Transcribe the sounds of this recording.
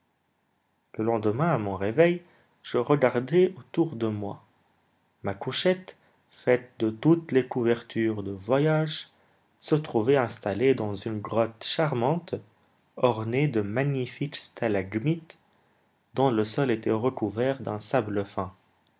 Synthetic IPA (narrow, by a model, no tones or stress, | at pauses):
ləlɑ̃d̪əmɛ̃amɔ̃ʁevɛj | ʒ̥əʁəɡaʁd̪ɛot̪uʁd̪əmwa | makuʃɛt̪ | fɛt̪̚d̪ət̪ut̪lekuvɛʁt̪ʰyʁd̪əvwajaʒ | sət̪χuvɛɛ̃st̪aled̪ɑ̃zynɡʁɔt̪ʃaʁmɑ̃t̪ | ɔʁned̪əmaɲifikst̪ʰalaɡmit̪ | d̪ɔ̃ləsɔlet̪ɛʁəkuvɛʁd̪ɛ̃sabləfɛ̃